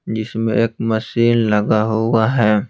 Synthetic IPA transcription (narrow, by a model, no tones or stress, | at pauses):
d͡ʒɪsmẽʔeːk̚mɐsiːllɐɡaɦuaɦɛː